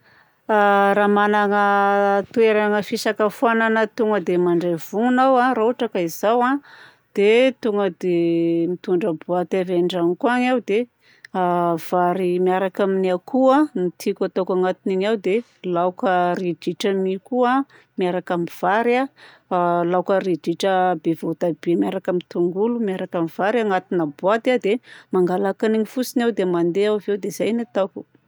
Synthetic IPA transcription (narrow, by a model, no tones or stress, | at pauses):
aɾamanaŋət̪ueɾaŋəfisakəfuananət̪uŋɡəd̪emaɳɖ͡ʐev̥uŋunawarauʈ͡ʂakaizawa | d̪̥et̪uŋɡəd̪emit̪uɳɖ͡ʐəbuat̪eveɳɖ͡ʐaŋikuaŋawd̪e | v̥aɾimiaɾakaminakuənit̪ʰikʲat̪akaŋat̪iniɲawd̪e | lawkərid͡ʒiʈ͡ʂəmikua | miaɾakamiv̥aɾa | lawkəɾid͡ʒiʈ͡ʂəbevot̪ab̥emjaɾakamit̪uŋɡulumjaɾakamiv̥aɾaŋat̪inəbuat̪ad̪emaŋɡalakaniŋifusinawd̪emand̪eawvewd̪ezajnet̪awkʲu̥